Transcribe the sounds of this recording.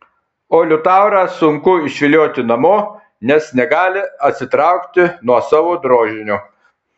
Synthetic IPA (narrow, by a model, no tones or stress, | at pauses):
oːlʲʊt̪ɑˑʊɾɑːsʊŋkʊɪʃʲʋʲɪlʲoːt̪ʲɪnɐmoː | nʲɛsnʲɛɡɑːlʲɪɐt̪ʲsʲɪt̪ɾɑˑʊkt̪ʲɪnuɔsɑːʋoːd̪ɾoːʒʲɪnʲu